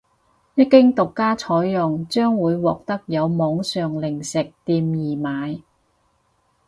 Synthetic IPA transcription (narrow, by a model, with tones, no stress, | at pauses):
jɐ˥t̚kɪ˥ŋt̪ʊ˨˩kːaː˥t͡ʃʰɔː˨˥jjʊ˨ŋt͡ʃœː˥ŋwuː˨˧jwɔː˨k̚t̪ɐ˥k̚jɐ˨˧wmɔː˨˧˥ŋsœː˨ŋlɪ˨˩ŋsɪ˨k̚t̪iː˧mjiː˨˩maː˨˧j